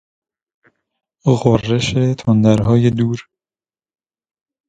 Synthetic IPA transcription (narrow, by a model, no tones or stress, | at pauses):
ɣorːeʃet̪ʰond̪æɾɦɒːjed̪uːɾ